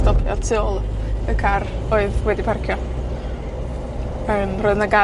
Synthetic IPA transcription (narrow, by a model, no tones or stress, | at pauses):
tɔpʰjɔ̰tʰɪɔlˠəkʰaroɨðwɛdipʰarkʰjɔ | əːmroɨðnaɡa